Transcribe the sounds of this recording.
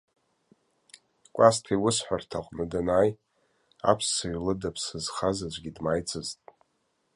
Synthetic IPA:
kʷʼastʰiwʊsħʷartʰaqʷʼnɨdanaːj | a̰pʰsaɥlɨdapʰsɨzχazad͡ʒʷʼɡʲidmajt͡sʰʼɨztʼ

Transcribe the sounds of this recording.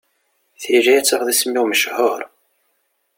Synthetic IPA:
θiʒæjæt͡sːəχðismːɪwməʃhʊɾˤ

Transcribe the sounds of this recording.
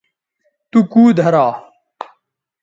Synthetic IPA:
t̪ukuːd̪ʱɐɾaː

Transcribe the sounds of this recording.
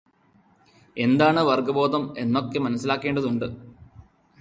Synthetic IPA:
e̞nd̪aːɳɨʋɐrɡɐbo̞ːd̪ɐme̞nːokːemɐnɐsːilaːkːe̞ːɳɖɐðuɳɖɨ

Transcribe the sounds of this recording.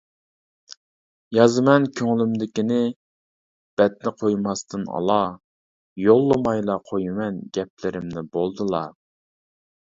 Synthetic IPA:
jɑzɨmɛnkʲʰøŋlymd̪ɪkʲinɪ | b̥ɛt̪nɪqʰojmɑst̪ʰɨnɑ̰lˠɑ | jolˠːəmɑjlˠɑqʰojɪmɛnɡʲɛp̚lɪɾɪmnɪbolˠd̪ɨlˠɑ

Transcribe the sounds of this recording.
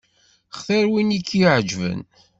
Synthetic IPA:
χθæɾwinikʰːiʕəd͡ʒvə̰n

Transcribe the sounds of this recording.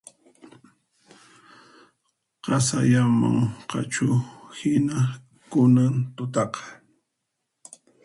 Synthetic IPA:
qɑsaʎama̰ŋqɑ̰t͡ʃʊhɪna | kʊnant̪ʊt̪ɑqɑ̥

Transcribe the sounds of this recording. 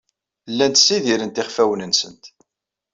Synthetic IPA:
lːænt̪sːiðiɾənt̪ɪχfæwənənsənt̪

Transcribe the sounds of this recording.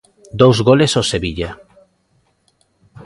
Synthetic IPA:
d̪owzɣolesoseβiʎa

